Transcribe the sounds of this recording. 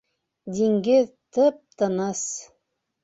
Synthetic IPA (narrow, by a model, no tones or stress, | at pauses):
d̪ʲiŋɡɘðt̪ɤp̚t̪ɤ̆nɤs